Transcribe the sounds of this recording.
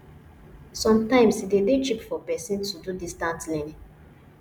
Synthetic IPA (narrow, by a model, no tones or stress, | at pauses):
sɔ̃mtãɪ̃msidedet͡ʃipfɔpɛsĩntududistãntlɛnĩŋ